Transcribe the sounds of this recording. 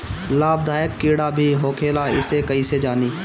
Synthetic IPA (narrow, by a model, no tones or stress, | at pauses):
laːb̚d̪ʱaːjəkːiːɽabʱiɦoːkʰeːlaɪ̰sekɐised͡ʒaːniː